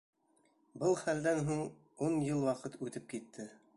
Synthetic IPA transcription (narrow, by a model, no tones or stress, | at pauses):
bɤlˠχæld̪ænɦuɴ | unjɤlˠwɑqɤt̪ʰʉt̪ɘp̚kit̪ʰːɘ